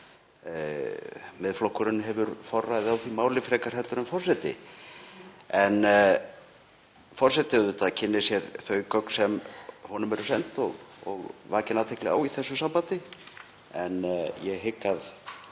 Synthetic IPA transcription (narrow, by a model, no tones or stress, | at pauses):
mɪðflɔhkʏɾʏnɦɛvʏɾfɔrːajðɪawθvimaːwlɪfɾɛːkaɾ̥hɛlt̪ʏɾnʏmfɔr̥sɛt̪ɪ̰ | ɛn | fɔr̥sɛt̪ɪʏðʏt̪acʰɪnːɪsjɛɾθœɥkœk̪sɛmhɔnʏmɛɾʏsɛnt̪ɔɣɔɣvaːcɪnawt̪ʰɪklɛ̰ɣa̰wiθɛsːʏsampant̪ɪ | ɛnjɛɣɦɪkːað